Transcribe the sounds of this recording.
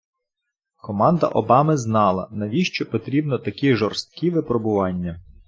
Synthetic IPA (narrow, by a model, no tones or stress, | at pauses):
kɔmɑnd̪ɐ̰ʔɔbɑmɪznɑlˠɐ̰nɐʋʲiʃt͡ʃɔpɔt̪ɾʲibnɔt̪ɐkʲiʒɔrst̪̚kʲiʋɪpɾɔbʊʋɑnʲːɐ